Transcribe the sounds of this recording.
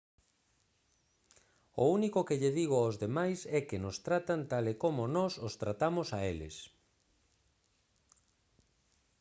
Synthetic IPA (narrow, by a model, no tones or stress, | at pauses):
o̰unikokeʎeðiɣ̞ʊaozðemajsɛkenʊst̪ɾat̪ant̪alekomonɔsost̪ɾat̪amʊsaelɪ̰s